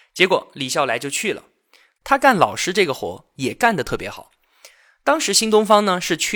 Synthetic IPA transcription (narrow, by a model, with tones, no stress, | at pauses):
t͡ɕjɛ˧˥kwɔ˨˩˦li˨˩ɕjɑ˥˩la˧˥ɪt͡ɕjo˥˧ʊt͡ɕʰy˥˩lə̰˩ | t̪ʰa˥ka˥˩nlɑ̰˨˩ʊʂɻ̩˥ʈ͡ʂɤ˥˩ɡə˩xwɔ̰˧˥ | jɛ˨˩ka˥˩nd̪ə˩t̪ʰɤ˥˩pjɛ˧˥xɑ˨˩˦ʊ | t̪ɑ˥ŋʂɻ̩˧˥ɕi˥ŋt̪̬ʊ˥ŋfɑ˥ŋnə˧ʂɻ̩˥˧t͡ɕʰy˥˩